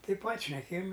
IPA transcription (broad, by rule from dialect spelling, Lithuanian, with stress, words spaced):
tɐɪ pɐtʲ ʃʲnʲɛˈkʲeːjɪm